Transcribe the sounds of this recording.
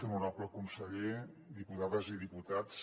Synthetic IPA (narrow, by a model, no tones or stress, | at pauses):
emunapuləkunsəʎe | d̪iput̪aðəziðiput̪as